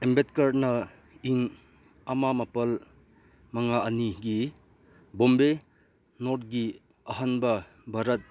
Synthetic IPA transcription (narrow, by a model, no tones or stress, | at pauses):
embet̚kaɾnɐ | iŋ | amamapɐl | maŋaʔɐniɡi | bombe | noɾt̚ɡi | ɐɦanbɐ | bʱaɾɐt̚